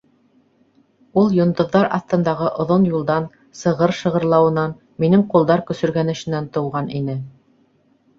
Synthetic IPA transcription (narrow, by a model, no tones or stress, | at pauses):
ulˠjŏnd̪ŏðːɑɾɑ̰θt̪ɤ̆nd̪ɑʁɤʔŏðonjulˠd̪ɑn | sɤ̆ʁɤɾʃɤ̆ʁɤ̆ɾlˠɑwɤ̆nɑn | minɘŋqulˠd̪ɑɾkɵ̆sɵ̆ɾɡænɘ̆ʃɘ̆nænt̪ɤ̆wʁɑnʔinɘ